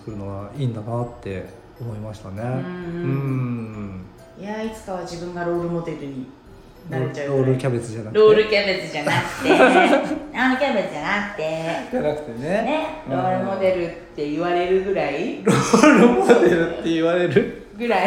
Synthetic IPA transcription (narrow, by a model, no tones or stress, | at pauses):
kɯɾɯ̟no̞βa̰ĩːnd̪anat̪ːe̞̰ | omo̞imaɕi̥t̪ane̞ɯ̃ɯ̟̃ | jait͡sɨ̥kaβad͡ʑibɯ̟̃ŋɡaɾo̞ːɾɯ̟mo̞d̪e̞ɾɯ̟ɲ̟i | naet͡ɕaɾoːɾɯ̟kʲabe̞t͡sɨʑanaɾo̞ːɾɯ̟kʲabe̞t͡sɨd͡ʑanakɯ̟̥t̪e | anokʲabe̞t͡sɨʑd͡ʑanakɯ̟̥t̪e̞anakɯ̟̥t̪e̞neneɾoːɾɯ̟mo̞d̪e̞ɾɯ̟t̪ːe̞iβaɾe̞ɾɯ̟ɡɯ̟ɾaiɾoɾɯ̟mod̪e̞ɾɯ̟t̪ːe̞iβaɾe̞ɾɯ̟ | ɡɯ̟ɾai